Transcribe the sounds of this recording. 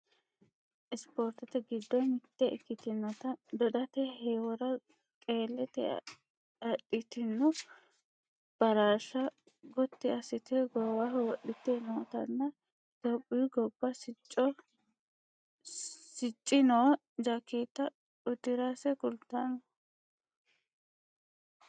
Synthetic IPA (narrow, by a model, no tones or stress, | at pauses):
ʔɪspoːɾt̪ɐt̪ɛɡɪd̪ːɔnɪt̪ːɛʔkːɪt̪ɪnːɔt̪ɐd̪ɔd̪ɐt̪ɛheːwɔɾɐ | kʼeːlːɛt̪ɛ̰ | ɐɗːɪt̪ɪnːʊ | b̥ɐɾaːʃɐ | ɡɔt̪ːɪɐsɪt̪ɛɡɔwahɛwɔɗːɪt̪ːɛnoːt̪ɐ̰nːɐ | t̪ɔpʼːijɡɔbːɐsɪt͡ʃʼːɔ | sɪt͡ʃʼːɪnoː | d͡ʒakːeːt̪ːɐ | ʊd̪ɪɾasɛkʊlt̪ːanɔ